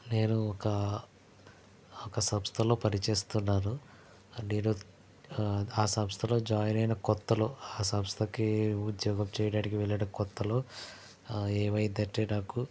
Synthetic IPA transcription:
ne̞ːnuɔkɐ | ɔkɐsɐmst̪ʰɐlo̞ːpɐɾit͡ʃe̞ːst̪unːaːnu | niːɾoː | aːsɐmst̪ʰɐlo̞ːd͡ʒaːjɐnɐjnɐkɔt̪ːɐlo̞ːaːsɐmst̪ʰɐkiud̪jɔːɡɐmt͡ʃɛːjɐɽaːʈikiʋɛɭːaːɽɐkɔt̪ːɐlo̞ː | ɛːʋɐjd̪ɐʈːeːnaːku

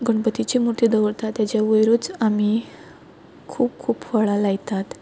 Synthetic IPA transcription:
ɡəɳpət̪it͡ɕimuɾt̪iːd̪əʋəɾt̪at̪ːjat͡ɕjaʋəjɾuːt͡sami | kʰuːp̚kʰuːpfaɭalaɡt̪at̪

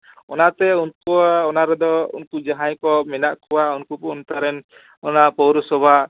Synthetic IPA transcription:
ɔnat̪ɛunkuaɔnaɾɛd̪ɔṵnkud͡ʒaɦãjkɔminaʔkɔwaunkupunt̪aɾɛn | ɔnapɔwɾɔsɔbʱa

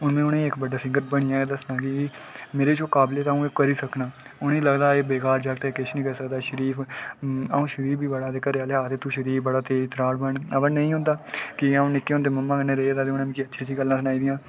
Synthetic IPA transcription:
ʊnmẽːʊnẽːɪkbəɖaːsɪ̃ŋɡəɾ̚bəɽ̃ɪjãːeːd̪əsnãːkɪmeːɾeːɪt͡ʃoːkaːbleːt̪aːũːeːkəɾiːsəknaːʊnẽːləɡd̪aːeːbeːkaːɾd͡ʒaɡt̪ekɪʃnĩːkəɾiːsəkd̪aːʃəɾiːpʰ | a̰ːũːʃəɾiːpʰbiːbəɽaːt̪eːkəɾaːleaːt̪eːt̪uːʃəɾiːpbəɽaːt̪eːt̪ɾaːɽbəɳəbəɾnəĩːɦʊ̃nd̪aːkɪaõːnɪkːeːɦõːnd̪eːməmːãːkənːeːɾeːed̪aːt̪eːʊnẽːmĩːkiətːʃʰeːd͡ʒiːɡəlːãːsənaːiːd̪ijãː

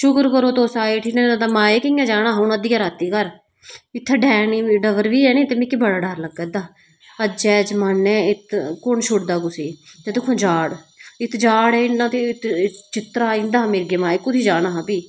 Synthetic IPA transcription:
ʃʊkəɾkəɾoːt̪oːsaːeːʈʰiːneːnãːt̪aːmaːeːkɪːãːd͡ʒaːɽaːɦonəd̪iːjaːɾaːt̪iːkəɾ | ɪt̪ʰːɛːɖɛːniːɖəʋəɾʋiːɛːnẽːt̪emĩːkibəɽaːɖaːɾləɡɛːd̪aː | əd͡ʒɛːd͡ʒmanːɛ̃ːɪt̪kʊnʃʰʊʈd̪aːkʊseːd͡ʒət̪ekʰõːd͡ʒaːɽɪt̪d͡ʒaːɽɛːɪnãːt̪eːɪt̪t͡ʃɪt̪ɾaːɪ̃nd̪aːmeːɾɡeːmaːeːkʊt̪ʰiːd͡ʒaːɽaːɦãːpiː

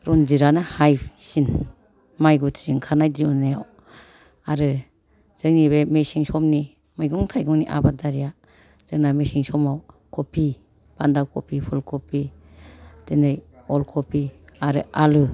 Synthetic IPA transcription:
ɾɔnziɾanahajsin | majɡutʰsiŋkʰanajdiunajaw | aɾɯ | z̥ɯŋniβemesiŋsɔmni | mɯjɡɔŋtʰajɡɔŋniʔa̰badaɾija | z̥ɯŋnamesiŋsɔmaw | kʰopʰi | b̥andawkʰɔpʰipʰulkʰɔpʰi | d̥enɯjɔlkʰopʰiaɾɯ̰alu

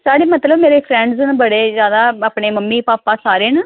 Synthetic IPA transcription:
saːɽeːmət̪ləbmeːɾeːpʰɾɛ̃ːɳɖznbəɽeːzjaːd̪aːaːpɳeːməmːiːpaːpaːsaːɾeːnə

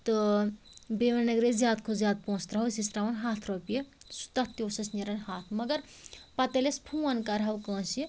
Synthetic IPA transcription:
t̪ɨ | beʋɐnɐɡɾezʲjaːd̪kʰozjaːd̪̚põːst̪ɾɐɦɐwsisɾaʋɐnɦaːt̪ʰɾopjesu̥t̪ɐt̪ːjosɐsneɾɐnhaːt̪ʰmɐɡɐɾ | pɐt̪elespʰuɐnkɐɾɦɐwkɐ̃ːsi

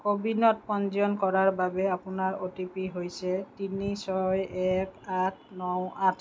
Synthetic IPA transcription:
kobinɔt̚pɔnd͡ʒɔnkɔɹaɹbabɛapʊnaɹotipiɦojsɛtinisɔjɛkatʰnɔwatʰ

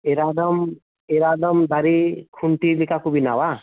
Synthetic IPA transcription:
eɾad̪ɔm | eɾad̪ɔmd̪aɾikʰuɳʈilikakubinawa

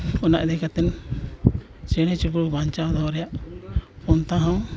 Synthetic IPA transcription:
ɔna̰ʔd̪ɛkat̪ɛn | t͡ʃɛɽ̃ɛt͡ʃubɾubaɲt͡ʃawd̪ɔɾɛjaʔ | ɔnt̪ãɦãw

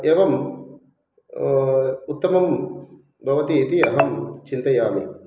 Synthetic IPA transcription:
eːʋɐm | ut̪ːɐmɐm | bʱɐʋɐt̪iːt̪iɐɦɐmt͡ʃint̪ɐjaːmḭ

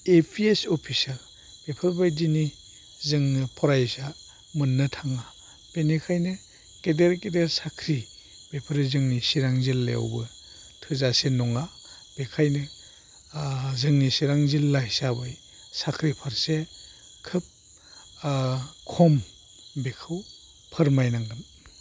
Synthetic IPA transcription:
epʰiesɔpʰisal | b̥epʰɯɾbajdini | zɯŋnɯpʰɔɾajsa | mɯnːɯtʰaŋa | b̥enikʰajnɯ | kedeɾkedeɾsakʰɾi | b̥epʰɯɾzɯŋnisiɾaŋzilːḛa̰wbɯ | tʰɯzasenɔŋa | b̥ekʰajnɯ | zɯŋnisiɾaŋzilːajsabɯj | sakʰɾipʰaɾse | kʰɯp̚ | kʰɔm | bekʰɯw | pʰɯɾmajnaŋdɯm

